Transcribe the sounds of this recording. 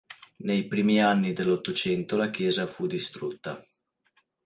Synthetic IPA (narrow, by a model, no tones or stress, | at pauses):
nejpɾiːmianːid̪elːot̪ːot͡ʃɛnt̪olak̟jɛːzafud̪ist̪ɾut̪ːa̰